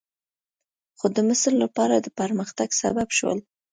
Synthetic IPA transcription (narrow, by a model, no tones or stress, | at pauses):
xod̪əmɪslːapɑɾad̪əpəɾməxt̪aɡsa̰babʃwə̰l